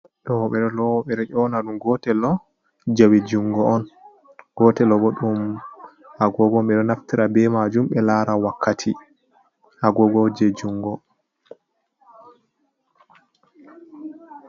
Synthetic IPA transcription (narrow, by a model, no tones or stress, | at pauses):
ɗɔwɔɓɛɾɛlɔwɔɓɛɾɛʔɔnaɗumɡɔtɛlɔ | d͡ʒawid͡ʒuŋɡɔʔːn | ɡɔtɛlɔbɔɗum | ʔaɡɔɡɔmɛɗɔnaftiɾabɛmad͡ʒumɓɛlaɾawakʰːatʰi | ʔaɡɔɡɔd͡ʒed͡ʒuŋɡɔ